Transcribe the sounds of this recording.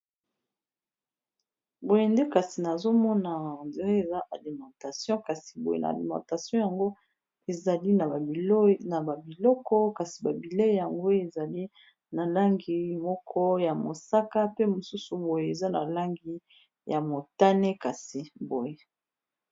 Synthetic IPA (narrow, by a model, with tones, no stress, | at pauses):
bo˨je˨nde˦ka˨si˨na˨zo˦mɔ˦na˨nde˨ʁe˦e˨za˦ʔa˨li˨mɑ̃˨ta˨sjɔ̃˦ka˨si˨bo˨jḛ˦na̰˨a̰˨lḭ˨mɑ̰̃˨ta˨sjɔ̃˦ja˨ŋɡo˦ | e˨za˨li˦na˨˦na˨ba˨bi˨lɔ˦kɔ˦ka˨si˨ba˨bi˨le˦˨ja˨ŋɡo˦e˨za˨li˦ | na˨la˦ŋɡi˨mɔ˦kʰɔ˦ja˨mo˨sa˦ka˦pe˦mo˨su˦su˨bo˨je˨e˨za˦na˨la˦ŋɡi˨ | ja˨mo˨ta˦ne˦ka˨si˨bo˨je˨